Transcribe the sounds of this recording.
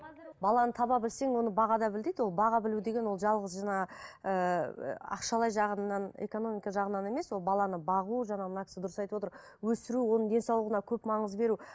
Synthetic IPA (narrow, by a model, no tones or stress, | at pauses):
bɑlˠɑnət̪ʰɑβɑbɪlse̞ŋwo̞nəbɑʁɑd̪ɑbɪld̪ejd̪wo̞lˠbɑʁɑbɪlud̪e̞ɡʲe̞nwo̞lˠʒɑlˠʁəzʒɑɴɑə̰ | ɑ̰qʃɑlˠɑjʒɑʁənɑne̞̰ko̞no̞mijkɑʒɑʁənːɑne̞me̞swo̞lˠbɑlˠɑnəbɑʁuʒɑɴɑmənɑkʲʰɪ̥sɪd̪ʊɾəsɑjt̪əwo̞t̪əɾ | wɵsɪɾuwo̞nəɴd̪ensɑwlˠəʁənɑkʲʰɵpmɑɴəzbe̞ɾu